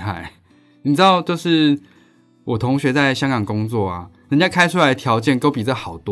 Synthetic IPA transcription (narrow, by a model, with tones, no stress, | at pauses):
a̰˥˩ɪ | ni˨˩pɻ̩˥ɑ˥˩ʊt͡ɕjo˥˧ʊʂɻ̩˥˩ | wʔɔ˨˩t̪ʰo˧˥ŋɕɥɛ˧˥t͡sa˥˩ɪɕjɑ˥ŋkɑ˨˩ŋkʊ˥ŋt͡swɔ˥˨ɐ̰˩ | ə˨t͡ɕja˥˩kʰa˥ɪʈ͡ʂʰu˥la˧˦ɪt̪ʰjɑ˧˦ʊt͡ɕjɛ˥˩˨nk̪o˥ʊpi˨˩t͡sə˥˩xɑ˨˩ʊt̪w